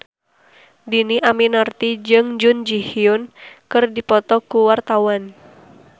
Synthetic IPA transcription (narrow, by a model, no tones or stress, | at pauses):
diniʔaminərt̪id͡ʒɨŋd͡ʒund͡ʒihiʊnkɨrdipɔt̪ɔkuwart̪awan